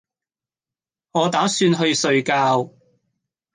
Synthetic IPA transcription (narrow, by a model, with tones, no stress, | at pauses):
ŋɔː˨˧t̪aː˨˥syː˧nɦɵ˧ɥsɵ˧ɥkaː˧w